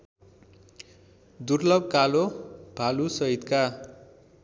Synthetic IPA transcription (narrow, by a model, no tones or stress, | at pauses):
d̪urlʌbkalob̥ʱalusʌɦit̪ka